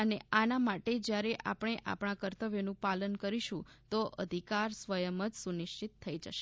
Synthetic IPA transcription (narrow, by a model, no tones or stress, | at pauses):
əneanamaʈed͡ʒjaɾeʔa̰pəɽ̃eʔa̰pɽ̃akəɾt̪əʋjonũpalənkəɾiʃũt̪oʔə̰d̪ʱikaɾsʋəjəmət̪sunɪʃt͡ʃit̪ʰːəid͡ʒəʃe̥